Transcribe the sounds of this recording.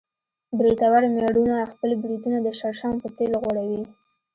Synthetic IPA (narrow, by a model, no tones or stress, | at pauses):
bɾit̪awaɾmaɽunaxpəlbɾid̪unad̪əʃaɾʃɑmpət̪elɣwaɽawi